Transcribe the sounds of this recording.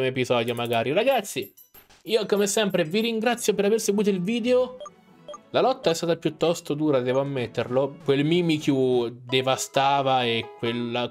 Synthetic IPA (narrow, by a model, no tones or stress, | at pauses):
moepizɔːd̪jomaɡaːɾiɾaɡat̪sːi | iːokomesɛmpɾeviɾiŋɡɾat̪sːjopeɾaverseɡwuːt̪̬oilviːd̪eo | lalɔt̪ːaɛst̪aːt̪apjut̪ːɔst̪od̪uːɾad̪ɛːvoamːet̪ːerlokwelmiːmikjud̪evast̪aːvaekːwelːa